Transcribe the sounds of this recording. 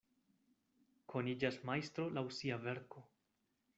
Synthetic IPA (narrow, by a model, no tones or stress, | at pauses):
kʰo̞nid͡ʒasmajst̪ɾo̞lawsiave̞ɾko̞